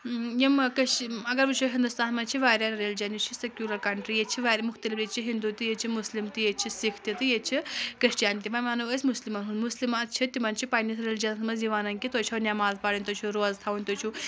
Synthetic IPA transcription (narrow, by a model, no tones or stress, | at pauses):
jimkɐʃɐɡɐɾʋɨt͡ʃʰuɦind̪ust̪aːnmɐt͡ʃʰiʋaːɾʲanɾelid͡ʒɐnit͡ʃʰisekjuːɾɐɾkɐɳʈɾijet͡ʃʰiʋaːɾʲimʊkʰt̪ɐlifit͡ʃʰiɦind̪ut̪ijet͡ʃʰimuslimt̪ijet͡ʃʰisikʰt̪jit̪ɨjet͡ʃʰikɾiʂʈijaːnt̪imɐnmanuʋəsʲmuslimɐnɦunmuslimɐt͡ʃʰit̪imɐnt͡ʃʰipɐnʲis̬ɾelid͡ʒɐnsmɐziʋaːnɐnkʲit̪ot͡ʃʰɐnʲamaːlzpɐɽinʲt̪ot͡ʃʰuɾoːzt̪ʰaunʲt̪ot͡ʃʰu